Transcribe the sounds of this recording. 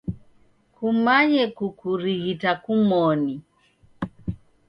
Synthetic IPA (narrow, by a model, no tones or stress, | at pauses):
kumaɲɛkukuɾiɣitakumɔni